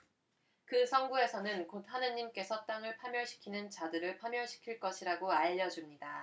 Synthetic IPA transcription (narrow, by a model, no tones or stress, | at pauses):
kɯsʰʌŋɡue̞sʰʌnɯnkot̚hanɯɲːimk͈e̞sʰʌt͈aŋɯɭpʰamjʌɭɕʰi̥kʰinɯnt͡ɕadɯɾɯɭpʰamjʌɕʰi̥kʰiɭk͈ʌɕʰiɾaɡoaʎːʌd͡ʑumɲida